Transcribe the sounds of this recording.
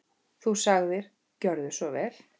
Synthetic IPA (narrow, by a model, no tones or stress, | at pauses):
θusaɣðɪɾ̥ | cœɾðʏsɔvɛl̥